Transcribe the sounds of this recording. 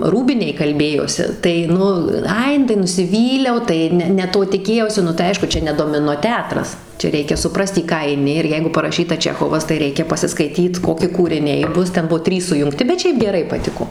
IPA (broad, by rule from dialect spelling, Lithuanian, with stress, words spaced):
ˈruːbʲɪnʲeːj kɐlʲˈbʲeːjoːsʲɪ tɐɪ ˈnʊ ˈɐɪ ˈnʊ tɐɪ nʊsʲɪˈʋʲiːlʲɛʊ ˈtɐɪ nʲɛ nʲɛ ˈtoː tʲɪˈkʲeːjɛʊsʲɪ nʊ tɐɪ ˈɐɪʃkʊ ˈt͡ʃʲɛ nʲɛ doːmʲɪˈnoː ˈtʲæːtrɐs ˈt͡ʃʲɛ ˈrʲɛɪkʲɛ sʊˈprɐst iː ˈkɑː ɐɪˈnʲɪ ɪr ˈjɛɪɡʊ pɐrɐˈʃʲiːtɐ ˈt͡ʃʲæːxoːʋɐs tɐɪ ˈrʲɛɪkʲɛ pɐsʲɪskɐɪˈtʲiːt ˈkoːkʲɪ kuːrʲɪˈnʲɛɪ ˈbʊs ˈtʲɛn ˈbuɔ ˈtʲrʲiːs sʊjʊŋkˈtʲɪ bʲɛt ˈʃʲɛɪp ɡʲɛˈrɐɪ pɐˈtʲɪkoː